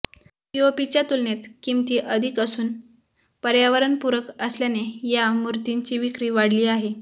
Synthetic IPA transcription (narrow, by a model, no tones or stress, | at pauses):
jopit͡ɕat̪ulnet̪kimt̪iːʔəd̪ʱikəsuːn | pəɾjaʋəɾənpuɾəkəsljanejamuɾt̪iɲt͡ɕiːʋikɾiːʋaɽliːaɦe